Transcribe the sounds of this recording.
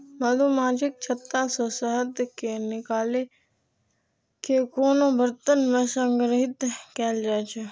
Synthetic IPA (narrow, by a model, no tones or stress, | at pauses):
məd̪oːmaːd͡ʒɪk̚t͡ʃʰət̪ːaːsɔːsəɦət̪kenɪkaːle | kekoːnõːbəɾt̪ənmɛ̃ːsəŋɡɾɦɪt̪kɛːld͡ʒaːt͡ʃʰe